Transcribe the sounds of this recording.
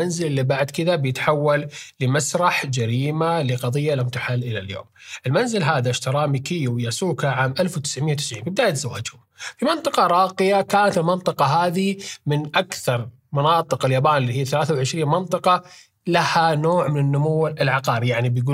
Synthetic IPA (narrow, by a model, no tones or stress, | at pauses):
anzɪlɪlːibaʕd̪kɪd̪abjɪt̪ħawːalːɪmasɾˤɑħd͡ʒaɾiːmalɪqɑðˤɨjːalamt̪aħalːʔɪlaljo̰ːmʔɪlmanzɪlɦaːðaʃt̪ɑɾˤɑːmikɪjːuwjasuːkaʕaːmʔalfwt̪ɪ̥sʕmɪjːawt̪ɪsʕiːmbɪbd̪aːʔt̪zawa̰ːd͡ʒhʊmfimɪnt̪ˤɨqɑɾˤɑːqɪjakaːnat̪ɪlmɪnt̪ˤɨqɑɦaːðimɪnʔakθɑɾˤ | mɑnɑːt̪ˤɨqɪljaːbaːnɪlːiːhijːaθalaːθawʕɪʃɾiːnmɪnt̪ˤɨqɑ | lahanoːʕmɪnɪnːʊmuwːɪlʕɑqɑːɾijaʕnibjɡuː